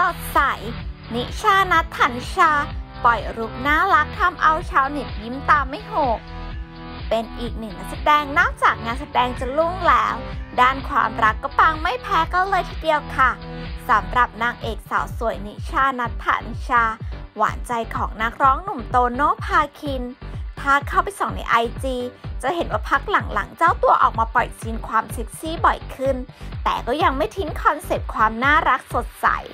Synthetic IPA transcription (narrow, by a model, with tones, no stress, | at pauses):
so˨˩t̪̚sa˨˩˦jni˦˥t͡ɕʰaː˧˩na˦˥t̪ʰːaː˨˩˦nt͡ɕʰaː˧pɔ˨˩jɾu˦˥p̚naː˥˩la˦˥k̚t̪ʰa˧mʔa˧wt͡ɕʰaː˧wni˨˩t̪̚ji˦˥mt̪aː˧mːa˥˩jɦoː˨˩k̚ | pe˧nʔiː˨˩k̚nɯ˨˩ŋa˧˩sa˧dɛː˧ŋnɔː˥˩k̚t͡ɕaː˨˩k̚ɲa˧ŋsa˧˩dɛː˧ŋt͡ɕa˨˩lu˥˩ŋlɛː˦˥wdaː˥˩nkʰwa̰ː˧mɾa˦˥kːɔ˥˩paː˧ŋma˥˩jpʰɛː˦˥ka˧nlɤː˧jt̪ʰiː˧˥˩di˧əwkʰa˥˩sa˨˩˦mɾa˨˩p̚naː˧ŋʔeː˨˩k̚sa̰ː˩˦wsu˨˩˦əjni˧˦˥t͡ɕʰaː˧na˦˥t̪ʰːa̰ː˧˩ni˧˦˥t͡ɕʰaː˧wa̰ː˩˦nt͡ɕa˧jkʰɔː˩˦ŋna˦˥k̚ɾɔː˦˥ŋnu˨˩mt̪oː˧noː˥˩pʰaː˧kʰi˧np̪ʰaː˦˥kʰːa˥˩wpa˧jsɔ˨˩˦ŋna̰˧jʔa˧jt͡ɕiː˧t͡ɕa˨˩ʔhe˩˦nwaː˥˩pʰa˦˥k̚la˨˩˦ŋla̰˨˩˦ŋt͡ɕaː˥˩wt̪u˧ɐʔɔ̰ː˨˩k̚maː˧pɔ˨˩jsi˧nkʰwaː˧mse˦˥k̪̚si˦˥bɔ˨˩jkʰɯ˥˩nt̪ɛː˨˩kɔː˥˩ja˧ŋma˥˩jt̪ʰi˦˥ŋkʰɔ˧nse˨˩p̚kʰwaː˧mnaː˥˩ɾa˦˥k̚so˨˩t̪̚sa̰˩˦j